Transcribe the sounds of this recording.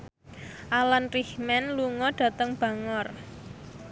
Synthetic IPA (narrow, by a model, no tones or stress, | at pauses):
ʔalanrihmɛnluŋɔɖ̥ä̤t̪əŋb̥ä̤ŋɔr